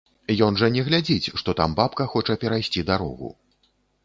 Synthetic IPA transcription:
jɔnʐɐnʲɛɣlʲad͡zʲit͡sʲʂt̪ɔt̪a̰mbapkɐxɔt͡ʂɐpʲɛɾajsʲt͡sʲid̪aɾɔ̰ɣṵ

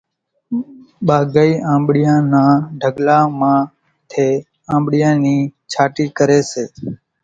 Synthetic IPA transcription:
ɓaːɡaiːãːmɓɽɪjãːnãːɖʱəɠlaːmãː | t̪ʰeː | ãːmɓɽɪjãːniːt͡ʃʰaːʈiːkəɾeːseː

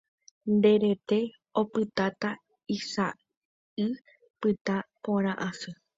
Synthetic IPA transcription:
nd̪e̞ɾe̞t̪e̞ | o̞pɨt̪at̪a | isa | ɨ | pɨt̪apõɾ̃ãʔãsɨ

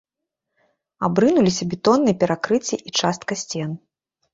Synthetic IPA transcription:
abɾɨnulʲisʲɐbʲit̪ɔnːɨjɛpʲɛɾakɾɨt͡sʲːiʔit͡ʂast̪̚kɐsʲt͡sʲɛn

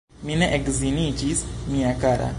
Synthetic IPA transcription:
minɛʔɛɡzinit͡ʃismiakaɾa̰

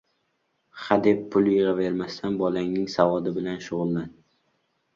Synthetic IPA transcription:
χad̪epʰːʊljɨʁave̞ɾmast̪ʰanbɒlaŋnɪŋsavɒd̪ɪbɪlanʃʊʁʊlˠːan

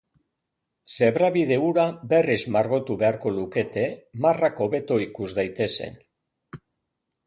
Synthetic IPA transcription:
se̞βɾaβið̞e̞uɾabe̞rizmaɾɣo̞t̪uβe̞aɾko̞luke̞t̪e̞marako̞βe̞t̪o̞ikuzd̪ajt̪e̞se̞̰n

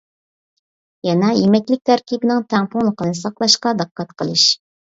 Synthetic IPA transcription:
jɛnɑjemɛkʲlɪk̚ʲt̪ʰæɾkʲibɪnɪŋt̪ʰɛŋpʊŋlˠəqənɨsɑqlˠɑʃqɑd̪ɨqʰːɑt̪qʰəlˠɨʃ

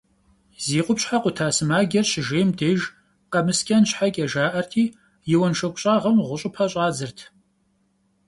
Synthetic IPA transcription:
ziːqʷʼʊpɕħaqʷʼʊtʰaːsɨmaːɡʲɐrɕɪʒeːmdeːʒ | qɐmɨskʲʰʼɐnɕħakʲʼɐʒaːʔɐrtʰiː | jɪwɐnʃɐkʷʼʊɕʼaːʁɐmʁʷʊɕʼɪpʰaɕʼaːzɨrtʰ

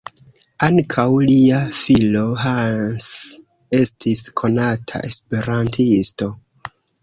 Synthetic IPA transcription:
aŋkʰawliafilo̞ɦans | e̞stʰiskʰo̞natʰa̰ʔe̞spe̞ɾantʰisto̞

